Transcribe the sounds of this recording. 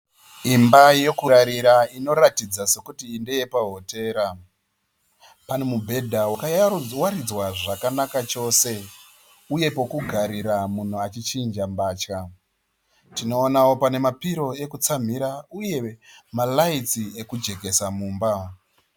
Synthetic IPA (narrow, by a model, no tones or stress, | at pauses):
imbaje̞kuɾaɾiɾaino̞ɾatid͡zase̞kutiːnde̞je̞paɦote̞ːɾa | panemubʱe̞dʱawakawaɾid͡zwaʐakanakat͡ʃo̞ːse̞ | uje̞po̞kuɡʱaɾiɾamun̤uat͡ʃit͡ʃind͡ʒambaːt͡ʃka | tino̞ːnaopane̞mapiɾo̞e̞kut͡sam̤iɾauje̞malait͡sie̞kud͡ʒe̞ke̞samuːmba